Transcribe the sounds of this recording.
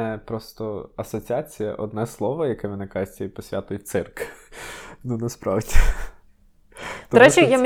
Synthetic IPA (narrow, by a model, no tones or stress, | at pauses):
ɛpɾɔst̪ɔɐsɔt͡sʲiɑt͡sʲijɐ̰ʔɔd̪nɛslˠɔʋɔjɐkɛʋʲinɛkɑʒɪtʲipɔsʲʋʲat̪ʊjʊt̪̚ʲsɪrk | nunɐspɾɑʋdʲi | t̪ɔɾɛt͡ʃijam